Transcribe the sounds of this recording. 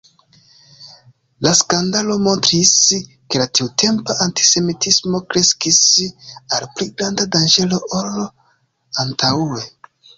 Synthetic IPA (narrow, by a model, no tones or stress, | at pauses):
laskandalo̞mo̞ntɾis | ke̞latiutʰe̞mpaʔanti̥se̞mitʰismo̞kɾe̞skisalpliɡɾandadand͡ʒe̞lo̞ʔol | antʰawuɾe